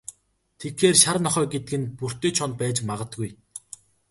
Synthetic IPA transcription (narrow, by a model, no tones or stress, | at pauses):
t̪ʰet̪xeːrʃaɾnɔχœːɡet̪ɘ̆ɡɘ̆npur̥t̪eːt͡ɕʰɔnt̪̚pæːt͡ɕmaʁə̆t̪ɡuj